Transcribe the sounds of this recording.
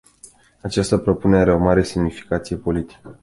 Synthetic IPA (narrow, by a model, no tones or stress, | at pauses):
at͡ʃast̪əpɾo̞puneeaɾeo̞maɾe̞semnifi̥kat̪sije̞po̞lit̪i̥kə